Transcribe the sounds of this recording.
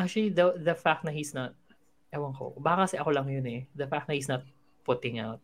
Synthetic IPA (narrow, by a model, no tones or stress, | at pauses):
ʔak̚t͡ʃʊɐlid̪ɐðɐfak̚t̪nɐhisnɐt̪̚ | ʔɛwɐŋko̰baːkɐkɐsɛʔɐkolɐŋjʊnɛd̪ɐfak̚t̪nɐhisnɐt̪̚ | pʊt̪ɪ̃ŋawt̪̚